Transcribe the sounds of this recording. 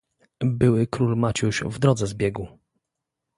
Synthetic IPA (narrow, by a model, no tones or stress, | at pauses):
bɘwɘkɾulmat͡ɕuʃvd̪ɾɔd̪zɛzbʲjɛɡu